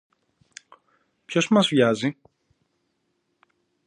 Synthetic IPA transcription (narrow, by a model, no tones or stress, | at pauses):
pçosmɐzvʝɐzi